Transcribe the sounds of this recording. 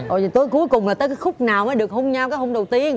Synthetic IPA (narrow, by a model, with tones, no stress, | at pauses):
ʔo˨˩˨t̪o˧˦jku˨˦əjkʊ˨˩ŋ͡mlaː˨˩əː˨˦kaː˨˦jxʊ˦˥k͡p̚naː˨˩wməː˨˦ɗɨ˨˩ək̚ho˧ŋ͡mɲa˧wkaː˨˦jho˧ŋ͡mɗə˨˩wt̪i˧ən